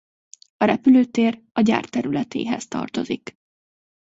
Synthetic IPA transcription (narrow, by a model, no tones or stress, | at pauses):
ɒɾɛpyløːt̪eːr | ɒɟa̰ːrt̪ɛɾylɛt̪ḛːɦɛst̪ɒ̰rt̪o̞zik